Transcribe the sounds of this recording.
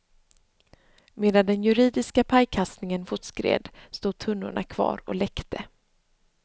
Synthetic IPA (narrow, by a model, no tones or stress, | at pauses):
meːd̪and̪ɛnjɵɾiːd̪ɪskapʰajkʰast̪nɪŋənfʊt̪skɾḛːd̪st̪uːd̪̚t̪ʰɵnːʊ̰ɳʔa̰kʰv̥ɑ̰ːɾɔ̰lɛkt̪ʰə